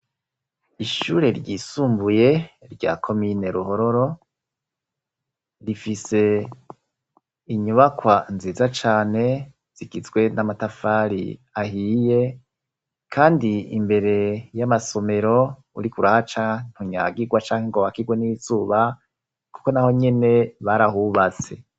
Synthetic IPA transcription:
iʃuːɾe̞ɾɟisuːmbuje̞ɾɟa̰ːkʰo̞mine̞ɾuɦo̞ɾo̞ɾo̞ | ɾifise̞ | iɲuβakwanziːzat͡ʃaːne̞ | z̥iɡizɡwe̞namatafaːɾḭahiːje̞ | kʰaːndiimbe̞ɾe̞jamaso̞me̞ɾo̞ | ṵɾikuɾahat͡ʃan̥huɲa̰ɡiɡwat͡ʃaːŋ̥heŋɡoβakiɡwe̞nizuːβa | ku̥ko̞naho̞ɲe̞ne̞βaɾahuβat͡se̞

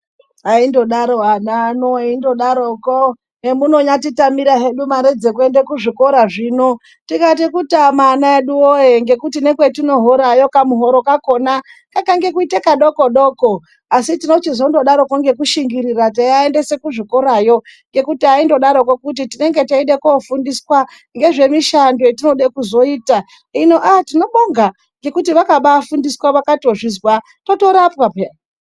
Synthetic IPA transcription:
aindo̞ɗaɾoananoindo̞ɗaɾoko | emuno̞ɲatitamiɾaɦeɗumaɾed͡zekue̞ndekuʐiko̞ɾaʐiːno̞ | tikat̬ikutamanaeɗuojeŋɡe̞kutine̞kwetino̞ɦoɾajo̞kamuɦo̞ɾo̞kako̞nakakaŋɡe̞kuitekaɗo̞ko̞ɗoːko | asitino̞t͡ʃizo̞ndo̞ɗaɾo̞koŋɡe̞kuʃiŋɡiɾirat̬aaende̞se̞kuʐikoɾajo̞ŋɡe̞kutiaindo̞ɗaɾokokut̬itine̞ŋɡe̞taiɗekofundiswa | ŋɡe̞ʐe̞miʃando̞etino̞ɗekuzo̞iːta | ino̞ʔatino̞ɓoŋɡa | ŋɡe̞kutiʋakaɓafundiswaʋakato̞ʐizwa | to̞to̞ɾapwape

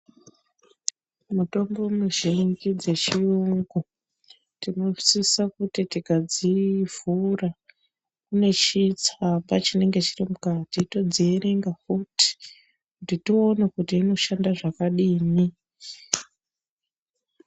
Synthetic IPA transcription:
muto̞mbo̞muʒiŋɡid͡ze̞t͡ʃiuŋɡu | tino̞ʐisisakutitiɡʱad͡zivura | kune̞t͡ʃit͡sambat͡ʃine̞ŋɡe̞t͡ʃirimukatito̞d͡zieɾe̞ŋɡakuti̥ | kunditionekutiːno̞ʃandaʐakaɗiːni

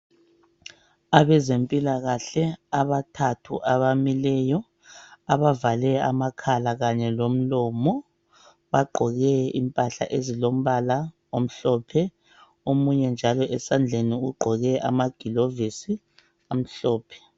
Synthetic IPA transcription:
aβɛzempʼilaɣaɬɛaβatʰatʰṵʔaβamilɛjɔ | aβavalɛa̰makʰalaɣaɲɛlom̩lɔmɔ | βaɡ͡ǃʱɔɣɛḭmpʼaɬa̰ʔezilom̩βala | om̩ɬɔpʰɛ | omuɲɛnd͡ʒʱalɔʔɛsand͡ɮʱeniuɡ͡ǃʱɔɣɛʔa̰maɡ̥ʱilovisi | am̩ɬɔːpʰɛ̥

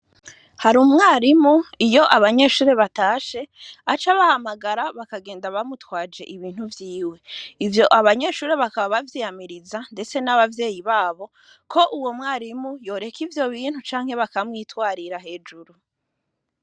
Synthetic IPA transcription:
haɾuːmŋaːɾimuijo̞ʔaβaɲe̞ːʃuːɾeβataːʃe̞at͡ʃaβahamaɡaɾaβakaɡe̞ːndaβamutwaːd͡ʒe̞ʔiβiːn̥huvjiːwe̞ivjo̞ʔaβaɲe̞ːʃuːɾeβakaβaβavjiːjamiɾizande̞t͡se̞naβavje̞ːjiβaːβo̞ | kʰo̞ʔuwo̞mŋaːɾimujo̞ːɾe̞kʰivjo̞βiːn̥hut͡ʃaːŋ̥he̞βakamŋiːtwaːɾiɾaɦe̞ːd͡ʒuɾu

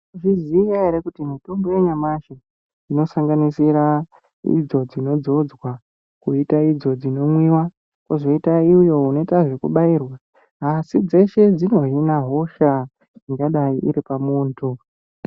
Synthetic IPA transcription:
ʐizijaeɾekutimito̞mbo̞jeɲamaʃe | ino̞saŋɡanisiɾa | ḭd͡zo̞d͡zino̞d͡zo̞d͡zwa | kuitaid͡zo̞d͡zino̞mwiwa | kozo̞itaiujo̞uno̞itaʐe̞kuɓairwa | asid͡ze̞ʃe̞d͡zino̞ɦinaɦo̞ʃa | iŋɡaɗaiʔiɾipamuːntʰu

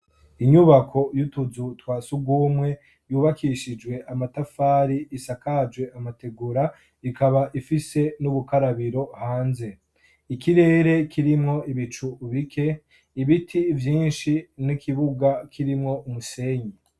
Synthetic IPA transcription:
iɲuβakʰo̞jutuzutwaːsubɡwuːmŋe̞ | juːβakʰiʃid͡ʒwe̞ʔamatafaːɾiːsakad͡ʒwe̞ʔamate̞ɡuɾa | ikaβaʔifise̞nuβukaɾaβiɾo̞haːnze̞ | ikiɾe̞ːɾe̞kʰiɾimŋo̞iβit͡ʃuβikʰe̞ | iβitʰivjiːnʃinikʰiβuɡakʰiɾimŋo̞umuse̞ːɲi

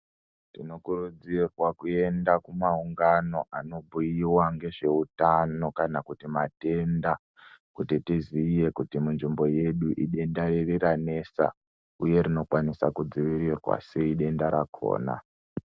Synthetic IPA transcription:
tino̞kurud͡zirwakue̞ndakumauŋɡano̞ʔano̞bʱujiwaŋɡe̞ʐe̞utano̞kanakutimate̞nda | kutitizije̞kutimunʐimbo̞je̞ɗuʔiɗe̞ndaririɾane̞sa̰ | uje̞ɾino̞kwanisakud͡ziʋiɾirwa̰se̞iɗe̞ndaɾakʰo̞̰ːna̰

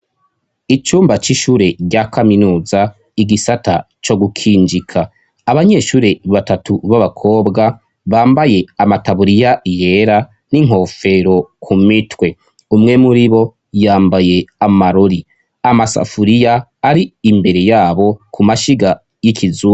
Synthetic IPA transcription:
it͡ʃuːmbat͡ʃiʃuːɾe̞ɟɟakaminuːza | iɡisata | t͡ʃo̞ɡukʰiːnd͡ʒikʰaː | βaɲe̞ːʃuːɾe̞βatatuβaβakʰo̞ːbɡa | βaːmbaje̞amataβuɾijaʔije̞ɾa | niŋɦo̞ːfe̞ɾo̞kʰumitwe̞ | umŋe̞muɾiβo̞ | jaːmbaje̞amaɾo̞ɾi | amasa̰fuɾijaːɾiːmbe̞ɾe̞jaːβo̞kumaʃiɡa | jikʰizuː

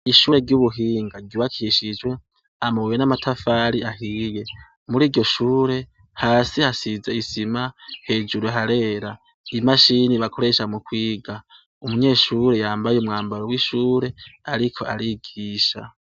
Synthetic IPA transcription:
iʃuːɾe̞ɾɟuβuɦiːŋɡaɡɟuβakʰiiʃid͡ʒwe̞ | amowenamatʰafaɾiaɦiːje̞ | muɾiːɾɟo̞ʃuːɾe̞ | haːsihasizeisimahe̞ːd͡ʒuɾeɦaɾe̞ːɾa | imaʃiniβakʰo̞ɾe̞ʃamukwiːɡa | umuɲe̞ːʃuːɾe̞jaːmbajeumŋaːmbaɾowiʃuːɾe̞aɾikʰo̞aɾiɡiːʃa̰

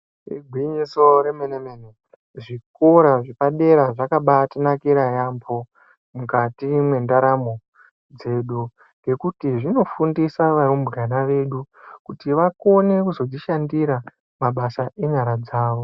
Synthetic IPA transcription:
ḭɡʱwiɲiso̞ɾemenemene | ʐikoɾaʐepaɗe̞ɾaʐakaɓatinakiɾajampʰo̞ | mukatimwe̞ndaɾamo̞ | d͡ze̞ːɗu | ŋɡe̞kutiʐino̞fundisaʋaɾombuɡʱanaʋe̞ɗukutiʋako̞ne̞kuzo̞d͡ziʃandiɾa | maɓasaʔe̞ɲaɾad͡zaːʋo̞

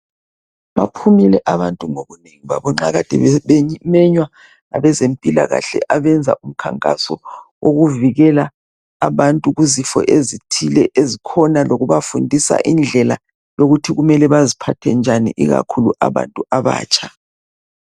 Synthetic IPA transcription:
βapʰumilɛʔaβantʼuŋoɣuneŋiβa̰βɔŋ͡ǁaɣad̥ʱɛ̰βɛmɛɲwa | na̰βɛzempʼila̰ɣa̰ɬɛ̰ʔaβɛnd͡zʱa̰ʔum̩kʰaŋkʼa̰sɔ̰wʔoɣuviɣɛlaː | βantʼuɣuzifɔ̰ʔezitʰilɛʔezikʰɔnaloɣuβafundʱisa̰ʔind͡ɮʱɛla̰ | joɣutʰiɣumɛlɛβazipʰatʰɛnd͡ʒʱanḭʔḭɣa̰kʰuluʔaβa̰ntʼuaβa̰ːt͡ʃʼʰḁ

